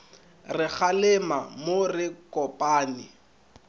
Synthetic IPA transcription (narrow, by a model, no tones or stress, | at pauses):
rɪk͡xalɪmamorɪkʼɔpʼaːnɪ